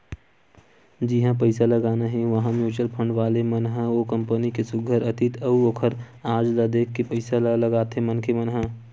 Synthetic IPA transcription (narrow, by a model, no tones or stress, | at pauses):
d͡ʒiɦãpəɪsalɐɡaːnaɦɛ̃ʋɐɦãmjuːt͡ʃəlpʰə̃ɳɖʋaːlemɐnɦãoːkɐ̃mpənikesʊɡʱəɾɐt̪ɪt̪ʰɐuokʰəɾ | aːd͡ʒlad̪eːkʰːepɐɪsallɐɡaːt̪ɦẽmɐnkemɐnɦã